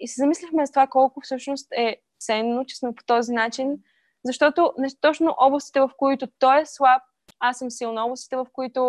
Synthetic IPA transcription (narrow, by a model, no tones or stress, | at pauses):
isɛzɐmislʲixmɛzɐt̪ovakɔlˠkʊfsɤʃnost̪ɛ | t̪sɛnːot͡ʃɛ̥smɛpo̥t̪ɔzinat͡ʃin | zɐʃt̪ɔt̪onɛst̪t̪ɔt͡ʃnoʔɔblˠɐst̪it̪ɛvɐfkoit̪ʊt̪ɔjɛslˠap̚ | asːɤmsilˠnɐɔblˠst̪i̥t̪ɛvɐfkoit̪ʊ